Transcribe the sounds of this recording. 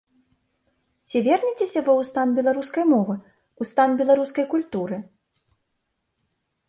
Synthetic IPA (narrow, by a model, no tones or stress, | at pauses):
t͡sʲivʲɛrnʲit͡sʲesʲɐvɨwst̪anbʲɛlˠaɾuskɐjmɔvɨ | ust̪anbʲɛlˠaɾuskɐjkulʲt̪uɾɨ